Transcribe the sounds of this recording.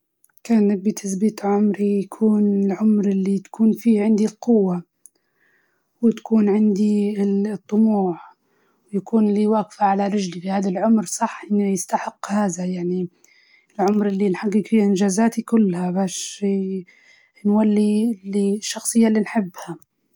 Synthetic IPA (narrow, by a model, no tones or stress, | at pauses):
kaːnːak̚bit̪ʰasbiːt̪ʕʊmɾijakʰuːnɪlʕʊmɾʔɪlːit̪ḁkʰuːnfiːʕɪnd̪ilqʊwːa | wɪt̪ḁkuːnʕɪnd̪it̪ˤːʊmuːʕ | wjakuːnliːwaːɡfaʕalaɾɪd͡ʒlifihaːðalʕʊmɾsˤɑħːʔɪnːijɪst̪aħɪqːhaːðajaʕni | ɪlʕʊmɾʔɪlːinħaɡːɪkfiːhaʔɪnd͡ʒaːzaːt̪ikʊlːhabaːʃ | nwalːiliʃːɑxsˤɨjːalːinħɪbːha